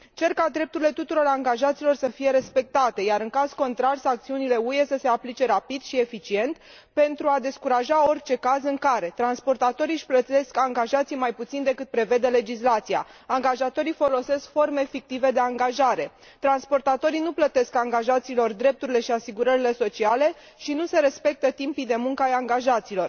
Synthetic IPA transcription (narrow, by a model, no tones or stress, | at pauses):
t͡ʃe̞rkad̪ɾe̞p̚t̪uɾile̞t̪ut̪uɾo̞ɾaŋɡaʒat̪silo̞rsəfije̞ɾe̞spe̞k̚t̪at̪e̞jaɾɨŋkaz̥ko̞nt̪ɾarsakt̪siunile̞uje̞səse̞aplit͡ʃe̞ɾapid̪̥ʃie̞fit͡ʃie̞nt̪ | pe̞nt̪ɾuad̪e̞skuɾaʒao̞rʲt͡ʃe̞kazɨŋkaɾe̞t̪ɾanspo̞rt̪at̪o̞ɾiʃʲplət̪e̞skaŋɡaʒat̪sijmajput̪sind̪e̞kɨt̪̚pɾe̞ve̞d̪ele̞d͡ʒislat̪sija̰aŋɡaʒat̪o̞ɾifo̞lo̞se̞skfo̞rme̞fik̚t̪ive̞d̪e̞aŋɡaʒaɾe̞ | t̪ɾanspo̞rt̪at̪o̞ɾijnuplət̪e̞skaŋɡaʒat̪siːlo̞rd̪ɾe̞p̚t̪uɾile̞ʃiasiɡuɾəɾile̞so̞t͡ʃiale̞ | ʃinuse̞ɾe̞spe̞k̚t̪ət̪impid̪e̞muŋkəajaŋɡaʒat̪silo̞r